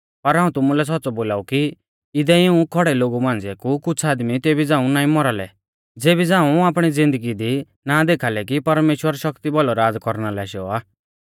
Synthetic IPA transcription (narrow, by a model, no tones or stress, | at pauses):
pɐɾɦaːũt̪ʊmulɛs̬ɔt̪ːt͡sɔboːlaːuki | ɪd̪ɛɪũkʰɔɽɛloːɡumãːnd͡ziɛkukʊt͡sʰaːd̪mit̪eːbid͡zãːũnaːĩmɔɾalɛ̰ | d͡zeːbid͡zãːũaːpɽ̃id͡zɪ̃nd̪əɡid̪i | naːd̪eːkʰaːlɛkipɐɾmeːʃwəɾʃɔkt̪ibɔlɔɾaːd͡zkɔɾnalɛʃɔaː